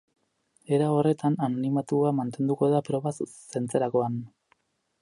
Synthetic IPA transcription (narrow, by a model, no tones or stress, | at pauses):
e̞ɾao̞re̞t̪ʰananimat̪uamant̪e̞nd̪uko̞ðapɾo̞βasː | e̞nt͡seɾako̞an